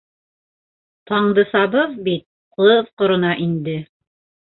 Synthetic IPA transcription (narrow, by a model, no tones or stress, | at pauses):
t̪ɑɴd̪ɤsɑβɤðbit̪̚ | qɤðqŏɾŏnɑʔind̪ɘ